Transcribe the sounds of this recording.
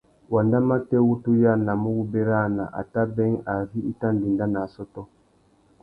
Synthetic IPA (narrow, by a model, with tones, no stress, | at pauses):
wa˨nda˦ma˦te˦wu˦tu˦ja˦˨na˨mu˦wu˦be˦ɾa˦˨na˨ʔa̰˨ta˦bɛ˦ŋa˨vi˦i˦ta˦n˨di˨nda˦na˨sɔ˦tɔ˦